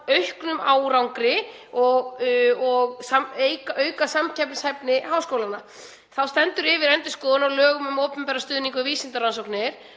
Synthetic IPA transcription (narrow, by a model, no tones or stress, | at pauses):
œɥhknʏmaːwɾawŋkɾɪɔɣɔɣsamejkaʔœːɥkasamcʰapnɪshɛjpnɪɦawskoːwlana | θawst̪ɛnt̪ʏɾɪvɪɾɛnt̪ɪskɔːðʏnawlœːɣʏmʏmoːwpʏmpɛːɾast̪ʏːðnĩŋkʏviːsɪnt̪aɾansowknɪɾ̥